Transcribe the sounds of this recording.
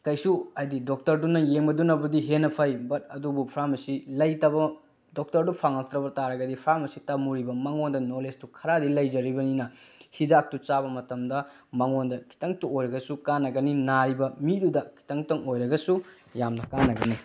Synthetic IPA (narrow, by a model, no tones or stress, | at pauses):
kɐjsuɐjdidok̚tɐɾdunɐjeŋbɐdunɐbudiɦenːɐpʰɐjbɐt̚ɐdubupʰɾamɐsilɐjtɐbɐ | dok̚tɐɾdupʰaŋɐk̚t̪ɾɐbɐtaɾɐɡɐdipʰɾamɐsitamuɾibɐmɐŋondɐnolestukʰɐɾadilɐjd͡ʒɐɾibɐninɐhidak̚tut͡ʃabɐmɐtɐmdɐ | mɐŋondɐkʰi̥tɐŋtuojɾɐɡɐsukanːɐɡɐninaɾibɐmidudɐkʰi̥tɐŋtɐŋojɾɐɡɐsu | jamnɐkanːɐɡɐni